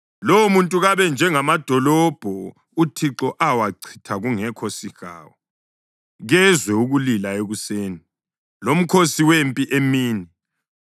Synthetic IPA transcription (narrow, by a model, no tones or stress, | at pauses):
lɔwmuntʼuɣaβɛnd͡ʒʱɛŋamad̥ʱɔlɔb̥ʱɔ | utʰiǁɔʔawaǀʰi̥tʰaɣuŋɛkʰosixa̰ːwɔ | ɣɛzwɛuɣulilaeɣuseːni | lom̩kʰosiwempʼiʔemiːni